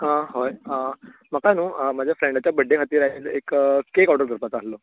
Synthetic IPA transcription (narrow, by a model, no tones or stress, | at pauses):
əɦojəm̤əkanũːəmad͡ʑʱjafɾeɳɖat͡ɕjabəɖʱekʰat̪iːɾaiːlekəkekawʈəɾɡʱəɾpat͡saslo